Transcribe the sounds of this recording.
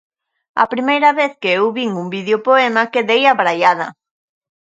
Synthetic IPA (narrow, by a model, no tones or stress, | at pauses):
ɐ̰pɾimejɾɐβeθkeewβiŋumbiðeopoemakeðejɐβɾajaðɐ